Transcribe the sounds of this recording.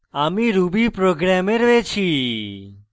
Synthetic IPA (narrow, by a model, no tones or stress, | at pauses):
amiɾubipɾoɡɾɛmeɾʋet͡ʃʰi